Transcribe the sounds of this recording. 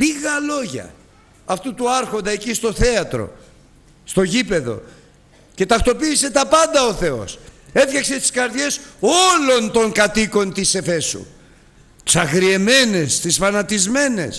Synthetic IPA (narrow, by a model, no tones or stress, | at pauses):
liɣɐlo̞ʝɐ̰ | ɐft̪ut̪uɐɾxo̞nd̪ɐecist̪o̞θe̞ɐt̪ɾo̞̰ | st̪o̞ʝipe̞ðo̞̰ | ce̞t̪ɐft̪o̞piːse̞t̪ɐpɐnd̪ɐo̞θe̞o̞̰se̞tçɐkse̞st̪i̥skɐɾðʝe̞so̞lo̞nt̪o̞ŋkɐt̪iko̞nt̪ise̞fe̞sṵ | t̪i̥sɐɣɾie̞me̞ne̞st̪isfɐnɐt̪izme̞ne̞̰s